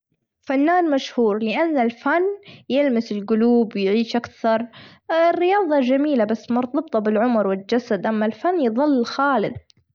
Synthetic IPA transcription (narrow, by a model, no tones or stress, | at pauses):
fanːaːnmaʃhuːɾlɪʔanːalfanjɪlmɪsɪlɡʊluːbwjʕiːʃʔakθɑɾˤ | ɪrːɪjɑːðˤɑd͡ʒamiːlabasːmʊɾˤt̪ˤɑb̚t̪ˤɑbɪlʕʊmɾwɪld͡ʒasad̪ʔamːalfanːjðˤɨlːxaːlɪd̪